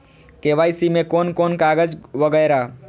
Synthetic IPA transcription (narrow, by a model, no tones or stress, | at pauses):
keʋaːjsimẽkonkoːnkaɡəd͡ʒʋəɡəjɾa